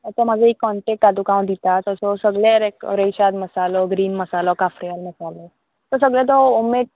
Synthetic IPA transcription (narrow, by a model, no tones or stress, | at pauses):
ət̪amad͡zʱaikːɔɳʈek̚ʈad̪ukaw̃d̪it̪at̪əsɔsəɡɭeɾekɾeɕad̪məsalɔɡɾiːnməsalɔkafɾijəlməsalɔ | t̪əɾsəɡɭẽt̪ɔomeʈ